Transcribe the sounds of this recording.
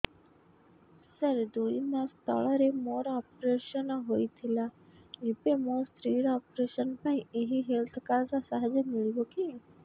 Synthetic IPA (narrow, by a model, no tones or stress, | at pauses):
səɾd̪uinast̪ʰə̰ɭaɾemoːɾɔːpɾeːʃənɦoːit̪ʰɪlaepemostɾiːɾaːpɾeːʃənpaːĩeɦiɦelt̪ʰkaɾsasaɦd͡ʒəmɪɭiʋoki